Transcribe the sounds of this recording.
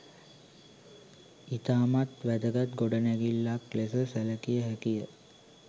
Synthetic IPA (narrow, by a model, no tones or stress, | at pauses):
it̪aːmat̪ʋæd̪əɡat̪ɡoɖənæɡilːaklesəsæləkijəɦækijə